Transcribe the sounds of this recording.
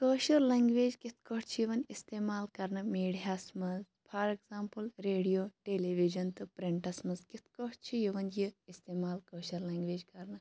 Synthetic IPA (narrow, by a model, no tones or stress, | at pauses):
kəːʃɐɾlɐːŋɡʋeːd͡ʒkit̪ʰkoʈt͡ʃʰijiʋɐnist̪eːmaːlkɐɾnɐmeːɽiɦaːsmɐz | pʰɐɾekzaːmpɨlɾeːɖijoːʈeːleʋid͡ʒɐnt̪ɨpɾiɳʈɐsmɐzkit̪ʰkoʈt͡ʃʰijiʋɐnjiist̪eːmaːlkəːʃɐɾlɐːŋɡʋeːd͡ʒkɐɾnɐ